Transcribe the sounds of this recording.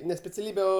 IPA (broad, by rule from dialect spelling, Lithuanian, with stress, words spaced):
nʲɛ sʲpʲɛt͡sʲɛˈlʲiːbʲɛ ˈoː